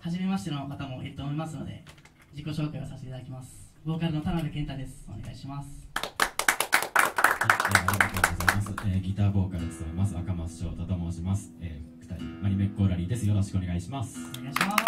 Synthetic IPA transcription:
haʑime̞maɕi̥t̪e̞no̞kat̪amo̞ʔiɾɯt̪oːmo̞imasɨno̞̰d̪e̞̰ | d͡ʑiko̞ɕo̞ːkaiosasi̥t̪eit̪ad̪akʲimasɨ̥bo̞ːkaɾɯ̟no̞t̪aɾabɯkẽ̞nt̪ad̪e̞sɨ̥o̞̰ne̞ɡa̰iɕimasɨ̥ | aeːaɾʲiɡat̪oːd̪oɡo̞zaimasɨeːɡʲit̪aːbo̞ːkaɾɯ̟t͡sɨ̥t̪amemasɨakamasɨ̥ɕo̞̰ːt̪at̪omoʑimasɨ̥eːkɯ̥t̪aimaɲ̟ime̞kːoɾaɾʲid̪e̞sɨjo̞ɾo̞ɕi̥kɯo̞ne̞ɡaiɕimasɨ̥neɡaɕima

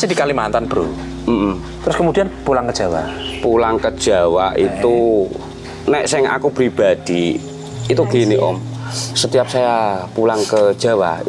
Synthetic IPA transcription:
sidikalimant̪anb̥ɾṵ | m̩ʔm̩ | t̪ɾʊskəmud̪ianpulaŋkəd̥ʒ̥a̤wa̰pulaŋkəd̥ʒ̥a̤wait̪u | nɛʔsɪŋa̰kupɾib̥a̤d̪̥iː | t̪uɡ̥eniʔɔ̰m | sət̪ijap̚sajapulaŋkəd̥ʒ̥a̤wa̰

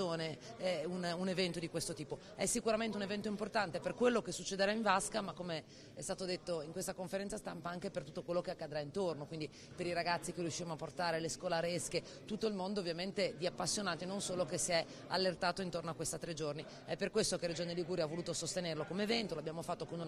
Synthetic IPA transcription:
oːneɛununevɛnt̪od̪ikwest̪ot̪iːpo | ɛsːikuɾament̪eunevɛnt̪oimport̪ant̪eperkwelːokesut͡ʃːed̪eɾaiɱvaskamakːome | ɛst̪aːt̪od̪et̪ːoiŋkwest̪akoɱfeɾɛnt̪sast̪ampaaŋkepert̪u̥t̪ːokwelːokeakːad̪ɾaint̪ornokwind̪i | peɾiɾaɡat̪sːikerijuʃːiɾemoapːort̪aːɾeleskɔːlaɾeske | t̪ut̪ːoilmond̪ovːjament̪ed̪iapːasːjonaːt̪inonsoːlokesiɛ | a̰lːert̪aːt̪oint̪ornoakwest̪at̪ːɾed͡ʒorni | ɛpːerkwest̪okeɾed͡ʒoːnliɡuːɾjavoluːt̪osost̪enerlokomeːvɛnt̪oloabjaːmofat̪ːokonu

